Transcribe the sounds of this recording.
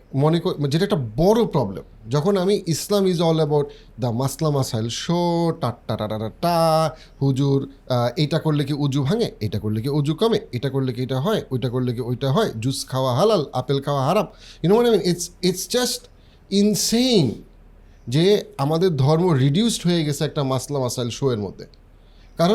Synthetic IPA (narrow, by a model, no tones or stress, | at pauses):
mɔnekod͡ʑeʈaɛk̚ʈabɔɾopɾɔblḛmd͡ʑɔkʰonamiʔislamizɔlɛbawʈ | d̪əmaslamasajlʃoʈaʈːaʈaʈaʈaʈa | hud͡ʑuɾejʈakoɾlekiud͡ʑubʱaŋeejʈakoɾlekiud͡ʒukɔmeejʈakoɾlekiejʈaɦɔeojʈakoɾlekiojʈaɦɔed͡ʑuskʰaoaɦalala̰pelkʰaoaɦaɾap̚junomaneminitsitsd͡ʑɐsʈ | insejn | d͡ʑeamad̪eɾd̪ʱɔɾmoɾiɖjusʈɦoeɡet͡ɕʰeɛk̚ʈamaslamasajlʃoeɾmo̰d̪ʱːḛ | kaɾo